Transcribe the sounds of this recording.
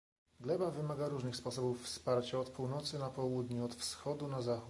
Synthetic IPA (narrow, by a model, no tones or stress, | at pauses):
ɡlɛbavɘmaɡaɾuʐnɘxspɔsɔbufːspaɾt͡ɕaɔt̪puwnɔt̪sɘnapɔwud̪ɲuɔt̪fsxɔd̪unazaxu